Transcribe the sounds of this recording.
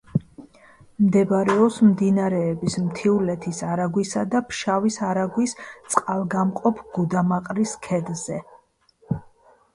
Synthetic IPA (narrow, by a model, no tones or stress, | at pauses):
md̪ɛbɾɛɔpsmd̪inaɾɛːbismt̪ʰiulɛt̪ʰisaɾaɡwisad̪apʰʃavisaɾaɡwist̪sʼqʼalˠɡamqʼɔpʰɡ̥ud̪amaqʼɾiskʰɛd̪z̥ɛ